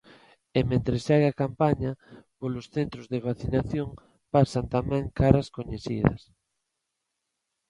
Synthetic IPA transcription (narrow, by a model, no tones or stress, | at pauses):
emẽnt̪ɾesaɣakampaɲapolosθent̪ɾozðeβaθinaθjoŋ | pasant̪amɛ̃ŋkaɾɐskoɲeθḭðɐ̰s